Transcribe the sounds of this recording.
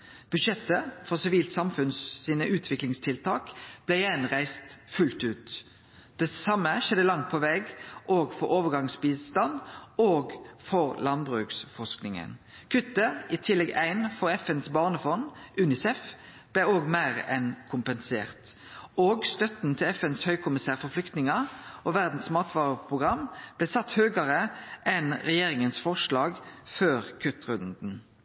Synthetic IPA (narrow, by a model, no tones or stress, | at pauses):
b̥ʉd̪ʃɛt̪ːəfɔʁsɪʋiːlt̪sɑmfʉnsːiːnəʔʉːt̪ʰʋɪklɪŋst̪ʰɪlt̪ʰɑːkb̥lɛjɛnʁæɪst̪fʉlt̪ʉːt̪ | d̪̥ɛsɑmːəʃɛd̪ːəlɑŋt̪̚pʰɔʋɛːɡʔoːɡfɔʁoːʋəʁɡɑŋsbiːst̪ɑnd̪oːɡfɔʁlɑnbʁʉːksfɔsknɪŋə̰n | kʰʉt̪ːəɪt̪ʰɪlːɛɡæ̰ɪnfɔʁɛfɛnsbɑːʁnəfɔnʔʉːnɪsɛf | b̥lɛoːɡmæːʁɛnkʰʊmpənsḛːʁt̪ | oːɡst̪œt̪nt̪ʰɪlɛfɛnshœʏkʰʊmɪsæːʁfɔʁflʏkt̪nɪŋɑʔoʋæʁd̪n̩smɑːt̪ʋɑːʁəpʰʁʊɡʁɑmb̥lɛsɑt̪ːhøːɡɑʁəʔɛnʁɛjeːɾɪŋənsfɔʂlɑːɡføːʁkʰʉt̪ʁʉnd̪n̩